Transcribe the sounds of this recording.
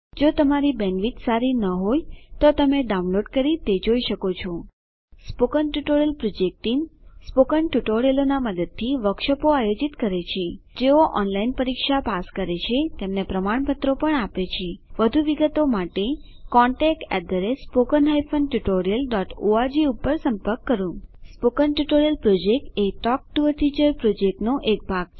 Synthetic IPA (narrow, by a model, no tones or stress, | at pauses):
d͡ʒot̪əmaɾibɛnʋit̪saɾinəɦojt̪ot̪əmeɖaũnloɖkəɾit̪ed͡ʒoiʃəkot͡ʃʰo | spokənʈuʈoɾijəlpɾod͡ʒek̚ʈiŋspokənʈuʈoɾijəlonaməd̪əd̪̚t̪ʰiʋəkʃəpoajod͡ʒit̪kəɾet͡ʃʰed͡ʒeoʔɔnlainpəɾikʃapaskəɾet͡ʃʰet̪emnepɾəmaɳ̃pət̪ɾopəɳapet͡ʃʰeʋəd̪ʱuʋiɡət̪omaʈekɔɳʈek̚ʈɛ̰d̪əɾespokənɦajfʰənʈuʈoɾijəlɖɔʈoad͡ʒiupːəɾsəmpəɾkːəɾũspokənʈuʈoɾijəlpɾod͡ʒek̚ʈeʈɔk̚ʈuəɾʈʰid͡ʒəɾpɾod͡ʒek̚ʈnoʔek̚bʱaɡ